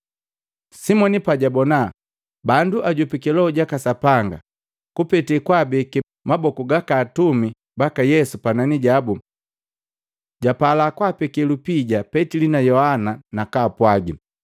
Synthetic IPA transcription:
simɔnipaɟabɔna | banduʔaɟupikɛlɔɟakasapaŋɡa | kupɛtɛkwabɛkɛ | mabɔkuɡakaːtumi | bakajɛsupananiɟabu | ɟapalakwapɛkɛlupiɟapɛtilinajɔhananakaːpwaɡi

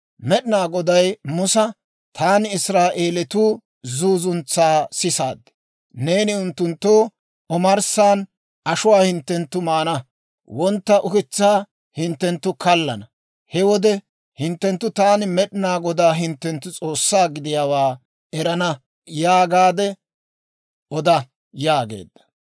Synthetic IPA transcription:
mɛɗɪnaːɡɔd̪ɐjmʊsɐ | t̪ʰaːnɪɪsɾaːʔe̞ːlɛt̪uː | zuːzʊnt͡sːaːsɪsa̰ːd̪ɛ̥ | ne̞ːnɪʊnt̪ːʊnt̪ːoː | ɔmɐɾsaːn | ɐʃʊwaːhɪnt̪ːɛnt̪ːʊmaːnɐ | wɔnt̪ːɐʔʊkɪt͡sːaː | hɪnt̪ːɛnt̪ːʊkɐlːɐnɐ | hɛwɔd̪ɛ | hɪnt̪ːɛnt̪ːʊt̪aːnmɛɗɪnaːɡɔd̪aːɦɪnt̪ːɛnt̪ːʊt͡sʼoːsːaːɡɪd̪ɪjaːwaː | ɛɾɐnɐ | jaːɡaːd̪ɛ | ɔd̪ɐ | jaːɡe̞̰ːd̪ːɐ̥

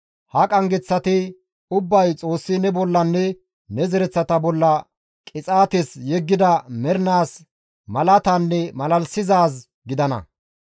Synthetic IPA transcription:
hɐkʼɐŋɡɛt͡sːɐt̪ɪ | ʊbːɐjt͡sʼo̞ːsːɪnɛbɔlːɐnːɛ | nɛzɛɾɛt͡sːɐt̪ɐbɔlːɐ | kʼɪt͡sʼaːt̪ɛsjɛɡːɪd̪ɐmɛɾnaːs | mɐlɐt̪ɐnːɛmɐlɐlsɪzaːs | ɡɪd̪ɐnɐ̰

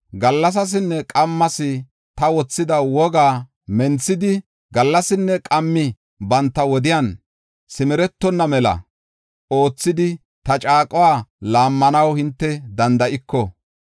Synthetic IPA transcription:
ɡɐlːɐs̬ɐs̬ɪnːɛkʼɐmːɐsɪ | t̪ɐwɔt͡sːɪd̪ɐwɔɡaː | mɛnt͡sːɪd̪ɪ | ɡɐlːɐsɪnːɛkʼɐmːɪ | bɐnt̪ːɐwɔd̪ɪjan | sɪmɛɾɛt̪ːɔnːɐmɛlɐ̰ | o̞ːt͡sːɪd̪ɪ | t̪ɐt͡ʃʼaːkʼɔwaːlaːmːɐnɐwhɪnt̪ːɛd̪ɐnd̪ɐʔɪkːɔ

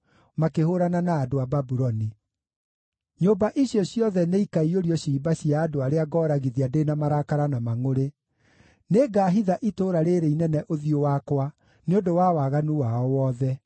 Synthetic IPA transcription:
makehoɾananaːdoababuɾɔni | ɲobaʔiɕjɔɕjɔðɛneikaioɾiɔɕiːbaɕiaːdoaɾeaɡɔːɾaɣiðiadenamaɾakaɾanamaŋoɾe | neɡaɦiðaʔitoɾaɾeɾeinɛnɛʔoðiowakwa | neondowawaɣanuwaɔwɔðɛ

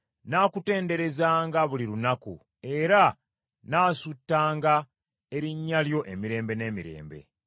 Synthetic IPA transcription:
naːkute̞ːnde̞ɾe̞zaːŋɡaβuliɾunakṵ | e̞ɾa | naːsutːaːŋɡa | e̞ɾiɲːaljo̞ʔe̞miɾe̞ːmbe̞ne̞ːmiɾe̞̰ːmbe̞̰

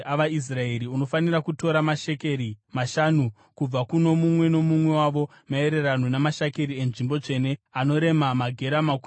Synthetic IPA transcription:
aʋais̬rae̞ɾiuno̞fanirakuto̞ɾamaʃe̞keɾimaʃanu | kub͡vakuno̞mumwe̞no̞mumwe̞waʋo̞ | mae̞ɾe̞ranonamaʃakeɾie̞nʐimbo̞d͡ʐe̞ne̞ano̞ɾe̞mamaɡʱe̞ɾamaku

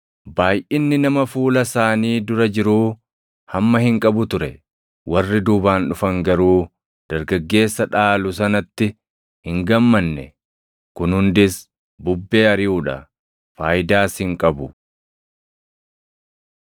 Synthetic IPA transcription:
baːjʔɪnːɪnɐmɐfuːlɐsaːniːd̪ʊɾɐd͡ʒɪɾuː | hɐmːɐhɪŋkʼɐbʊt̪ʊɾɛ | wʔɐrːɪd̪ʊːbaːnᶑʊfɐŋɡɐɾuː | d̪̥ɐɾɡɐɡːe̞ːsːɐᶑaːlʊsɐnɐt̪ːɪ | hɪŋɡɐmːɐnːɛ | kʊnhʊnd̪ɪs | bʊbːe̞ːɐɾɪuːᶑɐ̰ | faːjd̪aːshɪŋkʼɐbʊ

